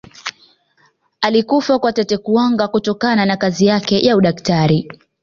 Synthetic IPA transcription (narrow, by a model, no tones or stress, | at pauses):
alikufakwatɛtɛkuaŋɡakutɔkananakazijakɛjʔauɗaktaɾi